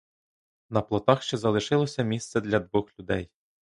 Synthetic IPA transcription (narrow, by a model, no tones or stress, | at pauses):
nɐplˠɔt̪ɑxʃt͡ʃɛzɐlˠɪʃɪlˠɔsʲɐmʲist̪sɛd̪ʲlʲɐd̪ʋʊxlʲʊd̪ɛ̰j